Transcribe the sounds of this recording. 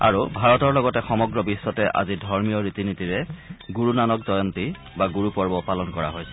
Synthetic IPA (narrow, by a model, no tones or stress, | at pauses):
a̰ɹubʱaɹɔtɔɹlɔɡɔtɛxɔmɔɡɹɔbisːɔtɛʔa̰zidʱɔɹmijɔɹitinitiɹɛɡuɹunanɔkdɔjɔnti | baɡuɹupɔɹbɔpalɔnkɔɹa̰ɦojsɛ̥